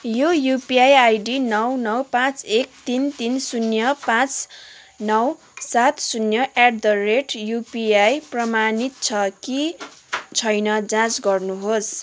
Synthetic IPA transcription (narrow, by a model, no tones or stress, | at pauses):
jojupiajajɖinʌwnʌwpãt͡sek̚t̪int̪insunjʌpãt͡s | nʌw | sat̪sunjʌʔaɖd̪ʌreʈjupiajprʌmanit̪̚t͡sʰʌki | t͡sʰʌjnʌd͡zãt͡sɡʌrnuɦos